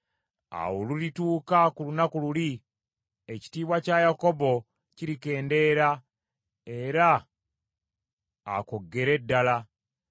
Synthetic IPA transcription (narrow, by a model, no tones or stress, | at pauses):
a̰wolulituːkakulunakululi | eci̥tiːβwacajako̞bo̞ | ciɾike̞ːnde̞ɾa | e̞ɾa | ko̞ɡːe̞ɾe̞dːala